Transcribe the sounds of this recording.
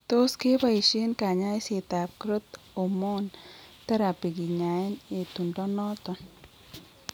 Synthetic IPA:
t̪oskebəjʃenkaɲaːjset̪aːp̚kɾɪt̪ | omoːnt̪ɐɾapiɡiɲaːjnet̪uɳɖɔnɔːt̪ɔn

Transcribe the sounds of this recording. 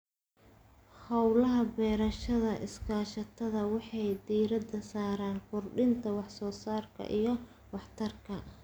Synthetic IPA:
hɐwlɐɦɐbɛːɾɐʃɐðɐʔɪskʰaːʃɐt̪ʰɐðɐwɑħɑjd̪iːɾɐd̪ɐsaːɾaːŋkʰʊrɖɪnt̪ʰɐwɑħsɔːsaːrkʰɐ̰ʔijɞ | wɑħt̪ʰɐrkʰɐ

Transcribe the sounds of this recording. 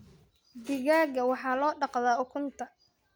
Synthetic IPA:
d̪ɪɣaːɡɐwɑħɑːlɔːɖɑqðaːʊkʰʊnt̪ʰɐ

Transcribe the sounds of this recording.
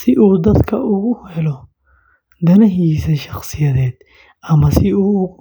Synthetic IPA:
sɪʔuːd̪ɐskɐʔʊɣʊhɛlɔ | d̪ɐnɐɦiːsɛʃɐχsɪjɐd̪eːt̪ | ɐmɐsɪuː

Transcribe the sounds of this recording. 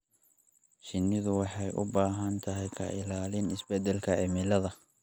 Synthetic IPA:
t͡ʃɪnːɪðʊwɑħɑjʔʊ̰baːɦɐnt̪ʰɐɦɛjkʰɐ̰ʔɪlaːlɪnɪsbɛd̪ɛlkʰɐʕɪmɪlɐðɐ

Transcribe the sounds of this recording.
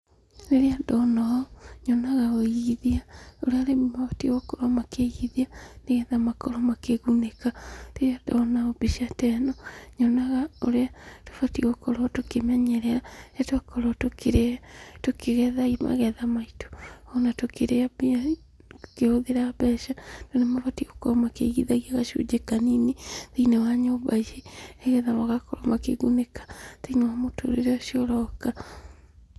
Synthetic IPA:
neɾeadɔnaɔɲɔnaɣaoiiðiaoɾeaɾemmafatiɣokɔɾɔmakeɣiðianeɣɛðamakɔɾɔmakeɣunekaneɾeadɔnaɔbiʃiatɛnɔɲɔnaɣaoɾeato̥fatiɣokɔɾɔtokemɛɲɛɾɛaatwakɔɾɔtokeɾetokeɣɛðama̰ɣɛðamaito̥ɔnatokeɾeabia | okehoðeɾabɛʃanonemafatiɣokɔɾɔmakḛɣiðaɣiaɣaʃio̰d͡ʒekaninitiinawaɲoβajeɛɣɛðamaɣakɔɾɔmakḛɡunekḁtiinawamoto̰ɾḛɾeɔʃiɔɾɔka

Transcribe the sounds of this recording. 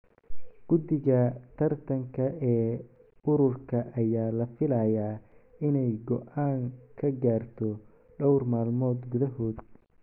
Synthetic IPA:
ɡ̥ʊd̪ɪɣɐt̪ʰɐrt̪ʰɐŋkʰɐɛː | ʊɾʊrkʰɐʔɐjaːlɐfɪlaːjaːɪnɛjɡɔʔaːŋkʰɐɡaːrt̪ʰɔ | ɖɔwrmaːlmɔːd̪ɡʊðɐɦɔːd̪

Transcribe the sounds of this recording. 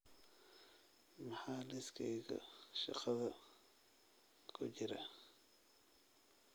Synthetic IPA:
mɐħaːlɪskʰɛjɣɐ̰ʃɑ̰qɐðɐ | kʰʊt͡ʃɪɾɐ

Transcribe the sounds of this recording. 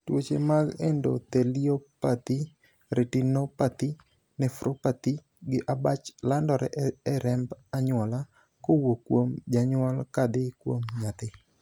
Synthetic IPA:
twot͡ʃemaɡendo̰t̪eliopat̪i | ɾʔetinopat̪i | nɛfɾopat̪i | ɡɪʔabat͡ʃlandɔɾɛʔɛɾɛmbaɲʊɔla | kowokwomd͡ʒaɲʊwalkad̪ɪkwomɲat̪ɪ

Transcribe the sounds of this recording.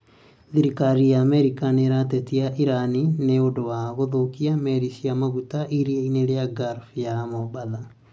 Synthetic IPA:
ðiɾikaɾijameɾikaneɾatetiaʔiɾanineodowaɣoðokiameɾisiamaɣutaʔiɾieineɾeaɡaɾfijamobaða

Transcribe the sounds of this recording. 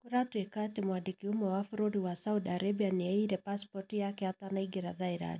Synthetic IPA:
kuɾatuɛkatimwadikiumɔwafuɾoɾiwasaudaɾebianiɛiɾɛpaspɔtijakɛatanaiɡɛɾaðaiɾa̰ni

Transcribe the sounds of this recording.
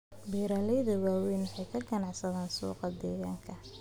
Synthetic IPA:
bɛːɾaːlɛjðɐwaːwɛjnʊħɑjkʰɐɡɐnɑʕsɐðaːnsṵːqɑd̪ɛːɣaːŋkʰɐ

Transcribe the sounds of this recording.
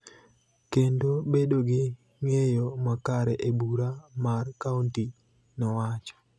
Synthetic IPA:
kendobedoɡɪ | ŋejomakaɾɛʔebuɾamarkaunti | nɔwat͡ʃɔ̥

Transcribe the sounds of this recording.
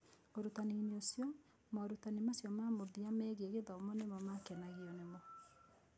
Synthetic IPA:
oɾutanineosjɔ | maoɾutanimasjɔmamoðiamɛɣeɣeðɔomɔnemɔmakɛnaɣiɔnemɔ

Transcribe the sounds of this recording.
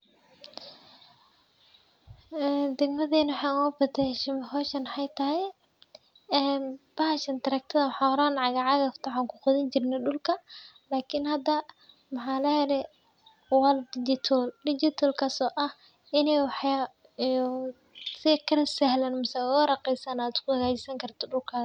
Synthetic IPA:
ʔɛːd̪ɛɡmɐðɛːnwħɑːɐbɐt̪ɛʃmhɔːʃɐnħajt̪ʰɐɦɛj | ɛːnb̥ɐɦʃɐnt̪ʰɐɾɐk̚t̪ʰɐðɐwħɑːwɾaːnʕɑɣɐʕɑɣɐft̪ʰaʕaːŋkʰʊqɔðɪɲt͡ʃɪrnɐɗʊlkʰɐ | laːkʰɪnhɐd̪ɐ | mɑħaːlɐhɛɾɛ | waldɪd͡ʒɪt̪ʰɔlɖɪd͡ʒɪt̪ʰɔlkʰɐsɔːʔɐh | ɪnɛjwɑħj | sɪkʰɐlsɐhlaːnmɐsawɾɑqɛjsaːnaːd̪ɪskʊhɐɣaːt͡ʃɪsɐŋkʰɐrt̪ʰɔɗʊlkʰaː

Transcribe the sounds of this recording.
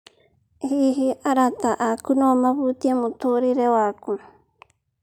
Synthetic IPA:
hiɦiʔaɾat̪aʔakunomaβut̪iamũt̪oɾiɾewaku

